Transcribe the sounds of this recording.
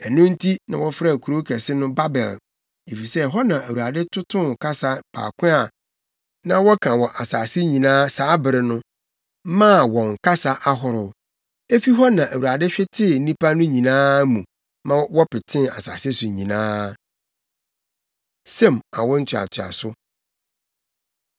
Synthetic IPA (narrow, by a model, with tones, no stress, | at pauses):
ɛ˨nʊ̃˦n˦tʰi˦nã̰˨wɔ˦fɾa˦˨kʰu˨ɾo˦kʰɛ˨sɪ˦nʊ̃˦ba˦bɛ̰˨l | e˨fi˨sɛ˦ɦɔ˦nã˨ʔæ˨wu˨ɾa˨dɪ˦tʰʊ˦tʰʊ̃˦˨kʰa˦sa˦pʰa̰ː˨kʰʊ̃˦a˨ | nã˦wɔ˦kʰã˨wɔ˨ʔa˨saː˨sɪ˦ɲĩ˨nãː˦saː˨˦bɪ˨ɾɪ˨nʊ̃˦ | mã˦˨wɔ̃˨ŋ˨kʰa˦sa˦ʔa˦ɦʊ˨ɾʊ˨˦ | e˦fi˦ɦɔ˦nã˨ʔæ˨wu˨a˨dɪ˦ɕᶣɪ˦tʰɪ˦˨˦nĩ˦pʰa˦nʊ̃˦ɲĩ˨nãː˦mũ˨ | mã˦wɔ˦pɪ˨tʰɪ̃˦a̰˨sa̰ː˨sɪ˦sʊ˨ɲĩ˨nãː˦ | sɛ̃˦ma˨wɔ̃˦n̩˦t͡ɕʰᶣɪ˨a̰˨tʰɪ˨a̰˨sʊ˦